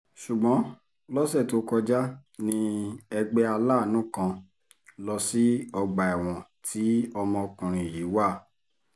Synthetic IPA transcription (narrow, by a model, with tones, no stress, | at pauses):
ʃu˨ɡ͡bɔ̃˨˦ | lɔ˦sɛ˦˨to˨˦kɔ˧d͡ʒa˦nĩ˧ɛ˧ɡ͡bɛ˦a˧laː˦˨nũ˦kã˧ | lɔ˧si˦ɔ˧ɡ͡ba˨ɛ˨w̃ɔ̃˨tʰi˨˦ɔ˧mɔ̃˧kũ˨ɾ̃ĩ˨jiː˨˦wa˦˨